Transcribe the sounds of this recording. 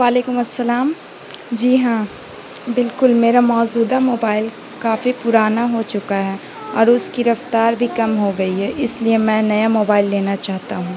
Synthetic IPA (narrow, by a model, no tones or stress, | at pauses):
ʋaːleːkʊmɐsːɐlaːm | d͡ʒiːɦãː | bɪlkʊlmeːɾamɔːd͡ʒuːd̪amoːbaːɪl | kaːfipʊɾaːnaɦot͡ʃʊkaɦɛ | ɔːɾʊskiɾɐft̪aːɾbʱikɐmɦoɡɐiɦɛʔɪsliemɛ̃ːnɐjamoːbaːɪlːeːnat͡ʃaːɦt̪aɦũː